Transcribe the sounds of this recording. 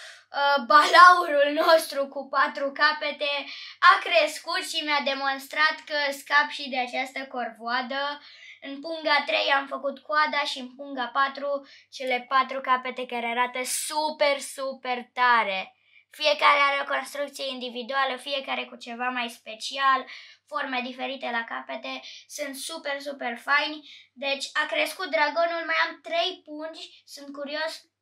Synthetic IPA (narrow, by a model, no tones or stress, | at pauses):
əbalauɾulno̞st̪ɾukupat̪ɾukape̞t̪e̞akɾe̞skut̪ʃimead̪e̞mo̞nst̪ɾat̪kəskapʃid̪e̞at͡ʃast̪əko̞rvoad̪ə | ɨnpuŋɡat̪ɾe̞jamfəkut̪kuad̪aʃiɨnpuŋɡapat̪ɾut͡ʃe̞le̞pat̪ɾukape̞t̪e̞kaɾeaɾat̪əsupe̞rsupe̞rt̪aɾe̞ | fie̞kaɾeaɾeoko̞nst̪ɾukt̪sije̞ind̪ivid̪ualəfije̞kaɾe̞kut͡ʃe̞vamajspe̞t͡ʃialfo̞rme̞d̪ife̞ɾit̪e̞lakape̞t̪e̞sunt̪supe̞rs̬upe̞rfajnʲd̪e̞t͡ʃʲakɾe̞skut̪̚d̪ɾaɡo̞nulmajamt̪ɾe̞jpunt͡ʃʲsunt̪̚kuɾio̞s